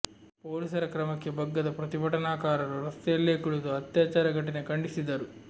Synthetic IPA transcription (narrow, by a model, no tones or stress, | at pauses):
poːlisɐɾɐkɾɐmɐkːebʱɐɡːɐd̪ɐpɾɐt̪ibɐʈɐnaːkaːɾɐluɾɐst̪ɐlːeːkuɭud̪uɐt̪jaːt͡ʃaːɾɐɡɐʈ̬ːinekɐɳɖisid̪ːɐɾu